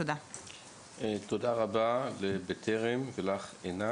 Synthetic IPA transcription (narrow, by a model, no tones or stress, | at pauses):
oda | et̪odaʁabalebet̪ʰeʁemvelaχena